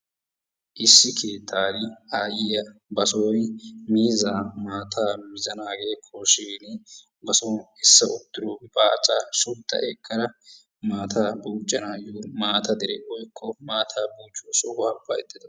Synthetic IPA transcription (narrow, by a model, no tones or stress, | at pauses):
ʔɪsːɪkʰe̞ːt̪ʰːaːd̪ɪaːjɪjɐbɐsɔjmiːzaːmaːt̪ʰaːmɪzɐnaːɡe̞ːkʰoʃeːnɪ | bɐsɔː | ɪsːɐʊt̪ːɪɾoːbaːt͡sʼaːsʊlt̪ːɐ̰ʔɛkːɐɾɐ | maːt̪ʰaːbuːt͡ʃʼːɐnaːjuːmaːt̪ʰɐd̪ɛɾɛʔɔjkʰːɔmaːt̪ʰaːbuːt͡ʃʼːoːsɔwaːbɐɛt̪ːɪd̪ɐ